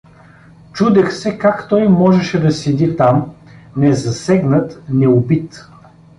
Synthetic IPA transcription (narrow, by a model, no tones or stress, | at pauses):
t͡ʃud̪ɛxsɛkakt̪ɔjmɔʒɛʃɛd̪ɐsɛd̪it̪amnɛzɐsɛɡnət̪nɛʊbit̪